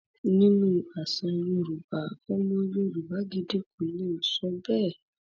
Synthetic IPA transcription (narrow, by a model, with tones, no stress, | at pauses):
nĩ˦nũ˧a˨sã˧ɾũ˧˨ɾu˨ba˨o˦mɔ̃˧˦jũ˧˦ɾu˨ba˨˦ɡi˧de˦ku˨˦nĩ˦˨sɔ̃˨˦bɛː˦˨